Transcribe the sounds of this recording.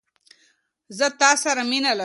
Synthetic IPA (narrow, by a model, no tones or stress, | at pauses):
zət̪ɑsaɾaminala